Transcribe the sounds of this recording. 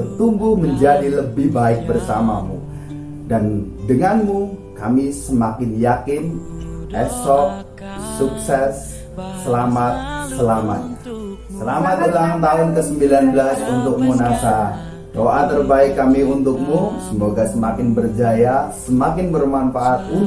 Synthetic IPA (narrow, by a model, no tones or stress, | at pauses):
ət̪uŋɡuməɲd͡ʒadiləbɪhbaɪk̚bərsama̰mṵ | dan | dəŋanmukamisəmakɪnjakɪnʔɛsɔk̚ | suk̚sɛsː | əlamat̪̚səlama̰t̪̚ɲa | səlamat̪̚dəlat̪aɦʊnkəsəmbilanbəlasunt̪ʊk̚munasa | doʔat̪ərbaɪkːamiunt̪ʊk̚musəmoɡasəmakɪnbərd͡ʒajasəmakɪnbərmanfaʔat̪̚u